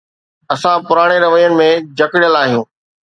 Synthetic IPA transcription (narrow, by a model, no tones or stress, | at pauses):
ɐsãpʊɾaːɽ̃eɾɐʋəjənɪ̆mẽd͡ʑɐkɪɽjəlaːɦijũː